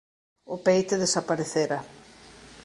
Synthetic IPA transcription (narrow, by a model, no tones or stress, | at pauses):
ʊpejt̪eðesapaɾeθeɾɐ